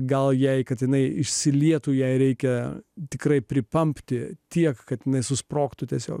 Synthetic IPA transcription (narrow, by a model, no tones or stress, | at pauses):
ɡɐlˠjɛɪkɐt̪jɪnɐɪɪʃʲsʲɪlʲiɛt̪uːjɛɪɾʲɛɪkʲɛt̪ʲɪkrɐɪpʲɾʲɪpɐmʲpʲt̪ʲɪt̪ʲiɛkkɐt̪jɪnɐɪsʊspɾoːkt̪ʊt̪ʲiɛsʲo̰ːk